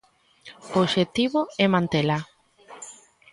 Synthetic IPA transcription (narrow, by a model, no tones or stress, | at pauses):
ooʃet̪iβoɛmãnt̪ela